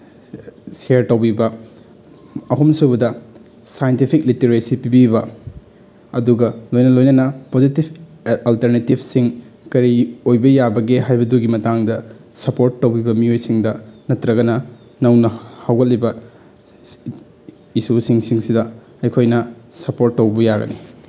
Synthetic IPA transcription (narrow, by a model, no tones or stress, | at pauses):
seɾtɐwbibɐ | ɐɦumsubɐdɐ | sajentipʰik̚liteɾesipibibɐ | ɐduɡɐlojnɐlojnɐnɐpozitib | ɐlteɾnetibʱsiŋkɐɾiojbɐjabɐɡeɦajbɐduɡimɐtaŋdɐsɐpoɾtːɐwbibɐmiojsiŋdɐnɐtɾɐɡɐnɐ | nɐwnɐhɐwɡɐt̚libɐ | isusiŋsiŋsidɐ | ɐjkʰojnɐsɐpoɾtːɐwbɐjaɡɐ̰ni